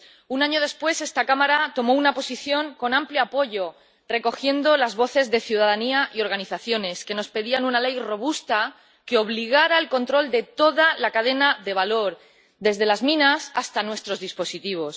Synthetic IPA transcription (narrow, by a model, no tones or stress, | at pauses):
unaɲo̞ð̞e̞spwe̞se̞st̪akamaɾat̪o̞mo̞unapo̞siθjo̞ŋko̞nãmpleapo̞ʝo̞ | re̞ko̞xje̞nd̪o̞lazβo̞θe̞zðe̞θjuðaðaniaʔio̞ɾɣ̞aniθaθjo̞ne̞ske̞no̞spe̞ðianunale̞jro̞βust̪a | keo̞βliɣ̞aɾaelko̞nt̪ɾo̞ld̪e̞t̪o̞ðalakaðe̞naðe̞β̞alo̞ɾ | d̪e̞zðe̞lazmĩnasast̪anwe̞st̪ɾo̞zðispo̞sit̪iβ̞o̞s